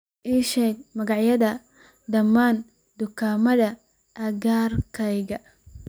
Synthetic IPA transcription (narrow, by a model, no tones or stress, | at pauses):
ʔiːʃɛːɡ̚mɐɣɑʕjɐðɐ | d̪ɐmaːn | d̪ʊkʰaːmɐðɐ | ʔɐɣaːrkʰɛjɣɐ